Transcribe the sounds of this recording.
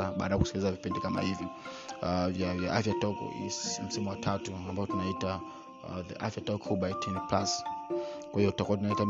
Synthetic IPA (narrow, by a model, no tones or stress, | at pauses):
aɓa̰ːɗajaku̥sikilizavipindikama̰hivjɔ | javja̰ʔafjatɔkɔ̰ḭm̩simuwatʰatuambaɔtunaita | ðḭʔa̰fjatɔkɔhuɓaitʰɛnplas | kwahiɔtu̥takuwat̬unaitam